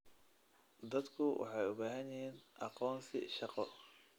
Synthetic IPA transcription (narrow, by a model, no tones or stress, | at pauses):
d̪ɐd̪kʰʊwʔɑ̰ħɑjʊbaːɦɐnjɪɦiːnʔɑqɔːnsɪ̰ʃɑqɔ